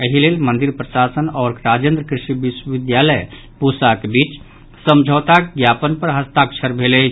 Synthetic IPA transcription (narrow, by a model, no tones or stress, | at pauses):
əɦilelmənd̪iɾpɾəʃasənɔːɾɾad͡ʒend̪ɾəkɾiʃiʋiswəʋɪd̪jaləj | pusakbit͡ʃ | səmd͡ʒʱəːt̪akɡjapənpəɾɦəst̪akt͡ʃʰəɾbʱelɛ